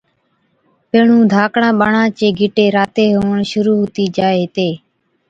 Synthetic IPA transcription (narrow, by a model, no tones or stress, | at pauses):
peːɳ̤ũːd̪ʱaːkɳãːɓaːɳãːt͡ʃeːɡʱɪʈeːɾaːt̪eːɦoːəɳʃʊɾuːɦʊt̪iːd͡ʒaːeːt̪eː